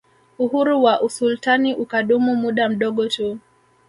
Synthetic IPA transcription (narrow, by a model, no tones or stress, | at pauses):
uɦuɾuwaʔusultaniʔukaɗumumuɗam̩ɗɔɠɔtu